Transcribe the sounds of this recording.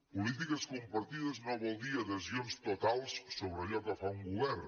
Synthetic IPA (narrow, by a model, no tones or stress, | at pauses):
pulit̪̬ikəskumpɐɾt̪iðəznɔβolˠd̪iaðəzionst̪ut̪alˠsːoβɾəʎɔkəfauŋɡuβɛɾ